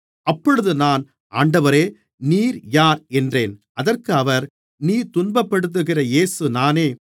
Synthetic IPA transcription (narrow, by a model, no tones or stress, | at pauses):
ʔɐpːɔɻɯðɯnaːn | ʔaːɳɖɐʋɐɾeː | niːɾjaːɾɛndreːn | ɐðɐrkɯɐʋɐɾ | niːt̪ʊnbɐpːɐɽɯt̪̬ːɯɣɪrɐeːsɯnaːneː